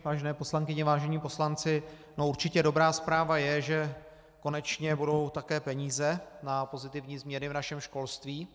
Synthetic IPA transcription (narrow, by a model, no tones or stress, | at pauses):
vaːʒɛnɛːpo̞slaŋkɪɲɛvaːʒɛɲiːpo̞slant͡sɪ | nouɾt͡ʃɪcɛdo̞bɾaːspɾaːvajɛʒɛ | ko̞nɛt͡ʃɲɛbudo̞wt̪akɛːpɛɲiːzɛnapo̞zɪt̪ɪvɲiːzmɲɛnɪvnaʃɛmʃko̞lst̪viː